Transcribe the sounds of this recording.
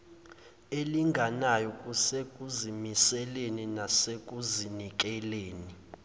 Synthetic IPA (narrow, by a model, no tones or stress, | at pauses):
eliŋɡʱanajɔkʼusekʼuzimisɛleninasekʼuzinik̬ʼɛleːni